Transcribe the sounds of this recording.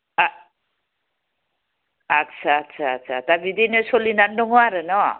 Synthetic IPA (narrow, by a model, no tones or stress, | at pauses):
at̪ːsʰaːt̪ːsʰaːt̪sʰat̪abid̪inesolinaɳɖoŋoaɾenʌ